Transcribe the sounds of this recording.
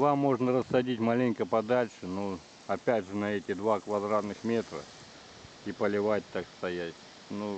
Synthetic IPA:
vamːo̞ʐnəɾəsːɐdʲitʲmalʲɪnʲkəpɐd̪alʲʂɨnu | ɐpʲætʲʐɨnɐɛtʲɪd̪vakvɐd̪ɾat̪nɨxmʲe̞t̪ɾə̰ | ipəlʲɪvat̚ʲt̪akst̪ɐjætʲ | nu

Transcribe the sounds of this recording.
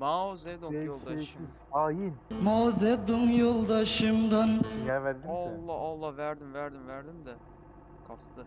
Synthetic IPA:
mazɛd̪uelˠeiz | aːjinmazɛd̪uŋjolˠd̪aʃɯmd̪anɛvæɾd̪iolˠːaolˠːavæɾd̪imvæɾd̪imvæɾd̪imd̪ɛ | kʰast̪ʰɯ

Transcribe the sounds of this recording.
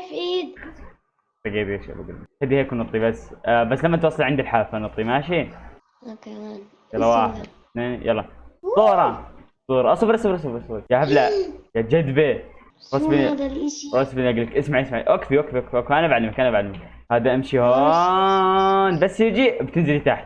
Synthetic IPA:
fiːd̪ | faɡiːd̪jeʃa̰ba̰ɡlxad̪iheːknɨt̪ˤːibasːbasːlamːat̪wɑːsˤːɑlʕɪnd̪ilħaːfanɨt̪ˤːimaʃi | jɑllːɑwaːħɪd̪ | t̪neːnijɑlˤːɑsˤuːɾˤɑ | sˤuːɾˤɑʔɑsˤubɾɑsbɾɑs̬ˤbɾsˤbjahablajad͡ʒad̪be | ɾˤɑsb | ɾˤɑsbnʔaɡlːɪkʔɪsmaʕiʔɪsmaʕḭʔakfiwakfiwakfiwakfiʔanabʕad̪lːmakʔanabʕadlːɪmak | haːd̪aʔamʃihooː | nbasːjɪd͡ʒibt̪ɪnzɪlit̪aħt̪

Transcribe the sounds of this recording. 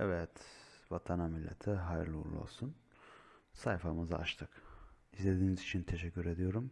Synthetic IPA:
ɛvɛt̪vat̪ʰanamilʲːḛt̪ʰɛɦajɾlˠṵɾlˠṵo̰lˠsun | sajfamɯza̰a̰ʃt̪ʰɯkizlʲe̞d̪iːnizit͡ʃʰint̪ʰeʃɛcːyɾe̞d̪ijo̞ɾum

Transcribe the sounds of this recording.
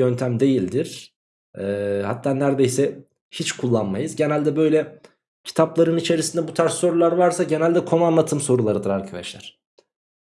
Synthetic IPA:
ø̞nt̪ʰæmd̪e̞jilʲd̪iɾ̥ | ɛːha̰t̪ʰːaːnæɾd̪e̞jsɛ | hit͡ʃkʰulˠːanmajɯzɟe̞nælʲd̪ɛbø̞jlʲɛ | cʰi̥t̪ʰaplˠaɾɯnit͡ʃʰe̞ɾisind̪ɛbut̪ʰaɾsːo̞ɾulˠaɾvaɾsaɟe̞nælʲd̪ɛkʰo̞nuanlːˠat̪ʰɯmso̞ɾulˠaɾɯd̪ɯɾaɾkʰad̪aʃlʲˠæɾ̥

